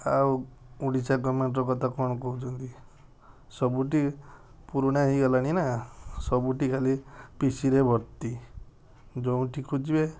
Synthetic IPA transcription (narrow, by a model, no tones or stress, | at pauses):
aw | uɽisaɡɔmeɳʈɾɔkɔt̪ʰakɔɽ̃ɔkɔɦut͡ʃʰɔnt̪i | sɔbuʈi | puɾuɽ̃aiɡɔlaɽ̃inasɔbuʈikʰalipisiɾebʱɔɾt̪i | d͡ʒɔũʈikʰud͡ʒibe